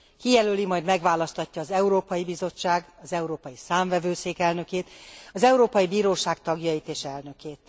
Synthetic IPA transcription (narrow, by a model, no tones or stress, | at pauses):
kijɛlølimɒjd̪mɛɡʋaːlɒst̪ɒcːɒːzɛuɾoːpɒjibizo̞t͡ʃːaːɡɒzɛuɾoːpɒjisaːɱvɛvøːseːkɛlnø̞keːt̪ɒzɛuɾoːpɒjibiːɾoːʃaːkt̪ɒɡjɒjit̪eːʃɛlnø̞keːt̪